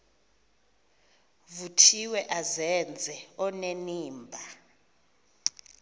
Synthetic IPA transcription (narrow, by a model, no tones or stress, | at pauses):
vutʰiwɛʔazɛnd͡zʱɛɔneniːmbʱa